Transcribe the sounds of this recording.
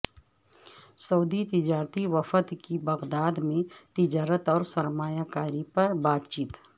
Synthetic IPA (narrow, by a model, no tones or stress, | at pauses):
sɐːd̪it̪ɪd͡ʒaːɾt̪iʋəfət̪kibɐɣd̪aːd̪mẽt̪ɪd͡ʒaːɾət̪ɔːɾsɐɾmaːjakaːɾipɐɾbaːt̪t͡ʃiːt̪